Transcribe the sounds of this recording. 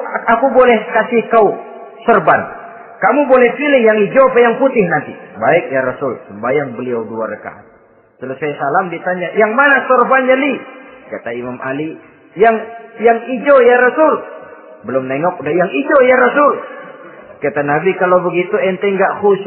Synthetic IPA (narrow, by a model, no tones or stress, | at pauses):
akubolɛhkasihkau | sɔrban | kamubolɛhpilɪhjaŋid͡ʒoapajaŋput̪ɪhnant̪ibaɪk̚jaɾasʊlsəmbajaŋbəliawduaɾəka̰t̪ | t̪əlusajasalamdit̪aɲajaŋmanasɔrband͡ʒalikat̪aimamʔali | jaŋjaŋid͡ʒojaɾasʊl | bəlʊmnɛŋɔk̚dajaŋid͡ʒojaɾasʊl | kat̪anabikalawbəɡit̪uɛnt̪ɛŋɡaʔhus